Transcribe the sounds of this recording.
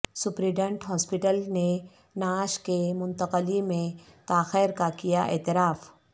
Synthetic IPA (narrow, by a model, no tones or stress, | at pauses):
sʊpɾiːɖə̃ɳʈɦɔːspɪʈəlne | naːʃkemʊ̃nt̪əqəlimẽt̪aːxeːɾkakijaʔḛːt̪ɪɾaːf